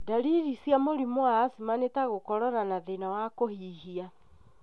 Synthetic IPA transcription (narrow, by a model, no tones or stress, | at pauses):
daɾiɾisijamoɾimwaːsimanetaɣokɔɾɔɾanaðenawakohihia